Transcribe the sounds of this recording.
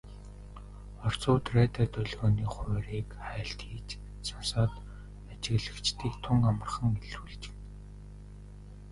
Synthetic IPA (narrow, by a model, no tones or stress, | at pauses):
ɔr̥t͡sʊːt̪reːt̪aːt̪œɮɣɔːniːχʊːɾiːkχæːɬt̪xiːt͡ɕ | samsaːt̪ | at͡ɕɪ̆ɣɮə̆kt͡ɕt̪ʰiːkt̪ʰʊŋkamə̆rχə̆ŋeɮuɮt͡ɕ̆n